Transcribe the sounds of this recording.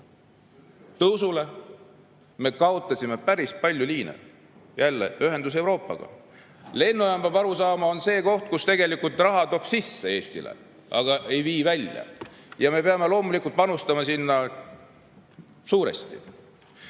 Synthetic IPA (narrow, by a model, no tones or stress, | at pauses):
t̪ɤwsule̞ | me̞kɑot̪ːˑɑsʲime̞pæɾispɑlʲjulʲiːnḛ | jælːe̞̰yɦe̞nd̪us̬ewɾo̞ːpːˑɑ̰ɡ̥ɑ̰ | le̞nːujɑmb̥ɑbɑɾusɑːmɑo̞nse̞ːko̞ht̪̚kust̪e̞ɡe̞likult̪ˑrɑɦɑt̪o̞ːb̥sisːe̞e̞ːsʲt̪ḭlḛ | ɑɡ̥ɑʔe̞jviːvælʲjɑ̰ | jɑme̞peɑme̞lo̞ːmulikːˑult̪̚pɑnust̪ɑmɑsinːɑ | suːɾḛst̪ḭ